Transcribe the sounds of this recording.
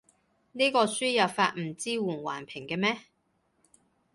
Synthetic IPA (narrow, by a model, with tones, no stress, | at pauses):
niː˥kɔː˧syː˥jɐ˨˩wfaː˧t̚m̩˨˩t͡siː˥wuː˨˩nwa̰ː˨˩npʰɪ˨˩ŋkɛː˧mɛː˥